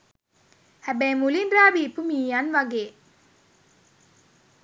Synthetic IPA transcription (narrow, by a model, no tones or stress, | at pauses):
hæbæjmulinraːbiːpumiːjanʋaɡeː